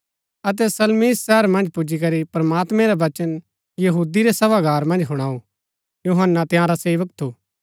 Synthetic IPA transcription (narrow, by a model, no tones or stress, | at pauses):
ɐt̪̬ɛsɐlmisːɛɦəɾmɐ̃nd͡ʒpud͡ʒikɐɾipɾɐmaːt̪mɛ̃ɾaʋɐt͡ʃən | jɐɦuːd̪iɾesɐbaɡʱaːɾmɐ̃nd͡ʒɦʊɽ̃aːo | juɦənːat̪ɪjãɾaseːʋək̚t̪ʰuː